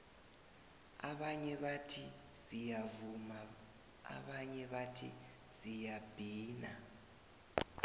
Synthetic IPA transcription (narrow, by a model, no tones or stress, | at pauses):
a̰βaɲɛβatʰi | zijavuma | a̰βaɲɛβatʰḭ | z̥ijab̥ʱiːna